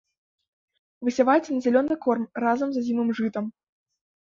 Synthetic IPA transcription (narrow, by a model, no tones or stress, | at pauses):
vɨsʲavajɛt͡sʲɛnɐzʲalʲɔnːɨkɔrmrazɐmzazʲimɨmʐɨt̪ɐm